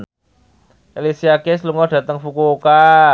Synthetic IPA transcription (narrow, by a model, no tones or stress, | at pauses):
ʔelisiakɪsluŋɔɖ̥ä̤t̪əŋfukuka